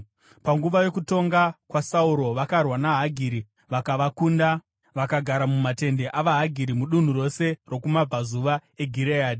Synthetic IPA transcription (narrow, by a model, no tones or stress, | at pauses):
paŋɡuʋajo̞kuto̞ŋɡakwasauɾo̞ʋakarwanaɦaɡʱiɾi | ʋakaʋakunda | ʋakaɡʱaɾamumate̞nde̞ʔaʋaɦaɡʱiɾimuɗun̤uro̞se̞ro̞kumab͡vʱazuʋae̞ɡʱiɾeaːdi